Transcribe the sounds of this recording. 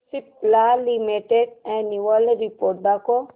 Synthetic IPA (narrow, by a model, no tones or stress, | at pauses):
siplalimeʈeɖɛ̃niʋəlɾipoːɾʈ̚bako